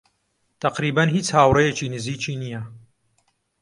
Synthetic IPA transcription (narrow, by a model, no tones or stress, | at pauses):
t̪ʰɐqɾiːbɐnhiːt͡shaːwrejet͡ʃiːnɨziːt͡ʃiːnijɐ